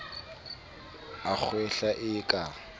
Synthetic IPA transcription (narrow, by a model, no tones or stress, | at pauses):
ak͡xʰwɛɬaʔɪkʼa